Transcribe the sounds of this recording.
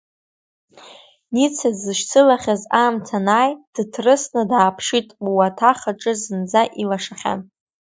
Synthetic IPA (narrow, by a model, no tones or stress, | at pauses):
nit͡sʰazɨʃt͡sʰɨlaχʲazamtʰanaːjd̥tʰrɨsnɨdaːpʰʂitʼwatʰaχaʈ͡ʂʼɨzɨnd͡zaʔilaʂaχʲa̰n